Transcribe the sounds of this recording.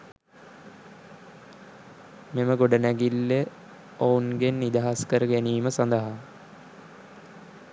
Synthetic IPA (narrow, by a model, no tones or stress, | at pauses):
meməɡoɖənæɡilːe | ounɡenːid̪aɦaskəɾəɡæniːməsand̪əɦa